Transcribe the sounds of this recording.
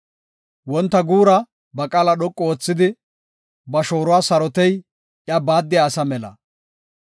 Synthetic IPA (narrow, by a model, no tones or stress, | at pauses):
wɔnt̪ːɐɡuːɾɐ | bɐkʼaːlɐɗɔkʼːɔoːt͡sːɪd̪ɪ | bɐʃo̞ːɾʊwaːsɐɾɔt̪ɛj | ʔjabaːd̪ːɪjaːsɐmɛlɐ̰